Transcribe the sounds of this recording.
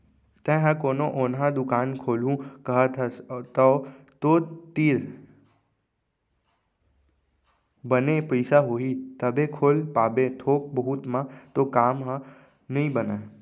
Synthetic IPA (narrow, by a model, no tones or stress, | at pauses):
t̪ɛ̃ɦə̃koːnõʔoːnɦãd̪ʊkaːnkʰoːlũkəɦət̪ʰt̪ə | t̪ot̪iːɾ | bənepəɪsaɦoːɦit̪əbʱẽkʰoːlpaːbẽt̪ʰoːk̚bəɦʊt̪mãt̪okaːmɦə̃ | nɐĩbəna